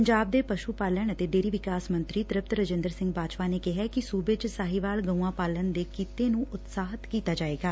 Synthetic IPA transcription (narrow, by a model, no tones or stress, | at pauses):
əɲd͡ʒaːb̚d̪eːpəʃuːpaːləɳ̃ət̪eːɖeːɾiːʋɪkaːsmənt̪ɾiːt̪ɾɪp̚t̪ɾəd͡ʒɪ̃nd̪əɾsɪ̃ŋɡbaːd͡ʒpaːneːkɪɦɛːkɪsuːbed͡ʒsaːɦiʋaːlɡəũãːpaːlənd̪eːkiːt̪eːnũːʔʊt̪saːɦət̪kiːt̪aːd͡ʒaːeːɡaː